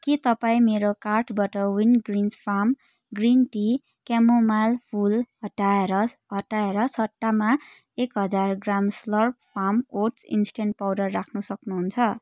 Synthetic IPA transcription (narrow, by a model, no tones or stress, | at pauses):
kit̪ʌpaĩmeɾokarʈʰbaʈʌwinɡrinspʰam | ɡrinʈi | kamomalpʰulɦʌʈaeɾʌɦʌʈaeɾʌsʰʌʈːama | ekɦʌd͡zarɡramslʌrp̚pʰamoʈsḭnsʈeɳʈ̚pawɖʌrːakʰnusʌknuɦunt͡sʰʌ